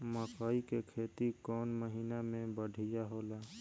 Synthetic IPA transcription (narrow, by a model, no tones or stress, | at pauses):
məkaːikekʰeːt̪ikɔːnməɦiːnamẽbəɽʱijaɦoːlaː